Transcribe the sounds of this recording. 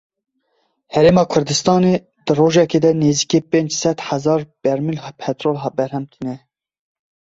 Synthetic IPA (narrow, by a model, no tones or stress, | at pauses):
hɛɾeːmɑːkʰʊɾd̪ɨst̪ɑːne | d̪ɨroːʒɛkeːd̪ɛneːziːkeːpeːnd͡ʒsɛt̪ħæzɑːɾb̥ɛɾmilhɑpʰɛt̪ɾoːlɦɑːbɛɾhɛmt̪ʰinɛ